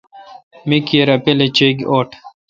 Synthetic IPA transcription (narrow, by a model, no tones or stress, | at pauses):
mikjeɾɐpelet͡ɕeɡoːʈʰ